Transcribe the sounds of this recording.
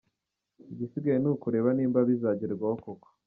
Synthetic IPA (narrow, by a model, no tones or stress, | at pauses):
iɟisiɡajenukuɾe̞ːβaniːmbaβizaːɟiɾɾɡwahokoko̥